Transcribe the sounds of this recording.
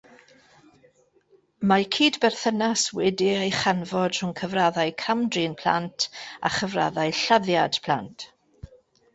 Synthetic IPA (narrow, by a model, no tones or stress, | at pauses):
makʰiːdbɛrθənaswɪdɪejχanvɔd̥r̥ʊŋkʰəvraðajkʰamdriːnpʰl̥a̰ntʰa̰χəvra̰ðaɨɬaðjad̥pʰlˠa̰ntʰ